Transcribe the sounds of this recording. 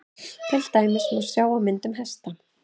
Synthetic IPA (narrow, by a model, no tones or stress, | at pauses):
cɛl̥t̪aːjmɪsmɛ̥sjaːwawmɪnt̪ʏmɦɛst̪a